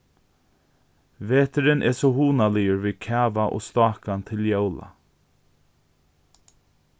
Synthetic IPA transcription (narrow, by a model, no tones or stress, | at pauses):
veːt̪əɾɪnʔɛ̰sohuːnalɪəɹviːkʰɛːvaʔo̰ːst̪ɑːkant̪ʰɪljowla̰